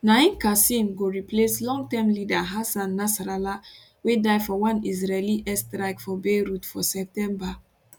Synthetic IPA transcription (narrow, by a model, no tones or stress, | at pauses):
naĩnkasĩmɡoɹipleslɔ̃ŋɡtɛ̃mlidaɦasãnːasaɾala | wedaɪfɔwãnizɹeliʔɛstɾaɪkfɔbeɾutfɔsɛp̚tɛ̃mba